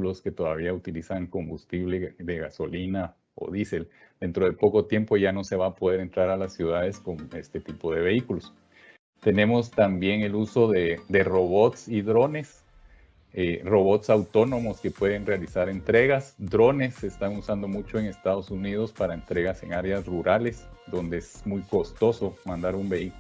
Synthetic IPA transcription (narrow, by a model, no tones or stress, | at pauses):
ulo̞ske̞t̪o̞ðaβ̞iaut̪ilisaŋko̞mbust̪iβleðeɣaso̞lina | o̰ðise̞l | d̪̥e̞nt̪ɾo̞ðe̞po̞ko̞t̪je̞mpo̞ʝano̞se̞βaːpo̞ð̞e̞ɾent̪ɾaɾalasːjuð̞aðe̞sko̞ŋe̞st̪e̞t̪ipo̞ðe̞βe̞ikulo̞s | t̪e̞ne̞most̪ambje̞ŋe̞luso̞ðed̪e̞ro̞βo̞t̪siðɾo̞ne̞s | ero̞βo̞t̪sawt̪o̞no̞mo̞ske̞pwe̞ðe̞nrealisaɾe̞nt̪ɾe̞ɣasd̪ɾo̞ne̞sːe̞ːst̪aŋusand̪o̞mut͡ʃo̞e̞ŋe̞st̪aðo̞suniðo̞spaɾaent̪ɾe̞ɣase̞̰ŋaɾeasruɾale̞sd̪o̞nd̪e̞esmujko̞st̪o̞so̞mãnd̪aɾumbe̞ik